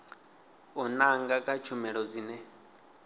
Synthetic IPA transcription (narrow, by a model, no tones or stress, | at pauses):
ɔnaŋɡakʼat͡ʃʰumɛɺɔd͡ziːnɛ